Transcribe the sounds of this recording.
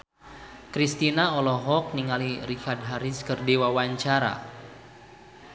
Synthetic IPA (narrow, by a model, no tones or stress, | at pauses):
kɾist̪inaɔlɔɦɔk̚niŋalirikard̚ɦaɾiskərdiwawaɲt͡ʃaɾa̰